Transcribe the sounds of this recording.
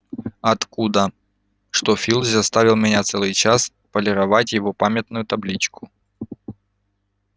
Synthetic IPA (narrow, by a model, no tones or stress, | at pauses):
ɐt̪kud̪ə | ʂt̪ofʲilˠzʲzɐst̪avʲɪlˠmʲɪnʲat̪sɛlˠɨjt͡ɕas | pəlʲɪɾɐvatʲjɪvopamʲɪt̪nʊjʊt̪ɐblʲit͡ɕkʊ̥